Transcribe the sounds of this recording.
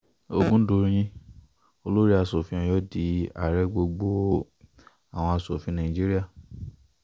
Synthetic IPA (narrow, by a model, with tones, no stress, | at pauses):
o˧˨ɡũ˦do˧˦ɾĩ˧˦ĩ˧ | o˧lo˦ɾi˦a˧so˨fĩ˨˦ɔ̃˨jɔ˦di˨˦a̰˦˨ɾɛ˦ɡ͡bo˧ɡ͡bo˦ | a˨w̃ɔ̃˧a˧so˨fĩ˨˦nã˨ĩ˨d͡ʒi˦ɾi˦a˦˨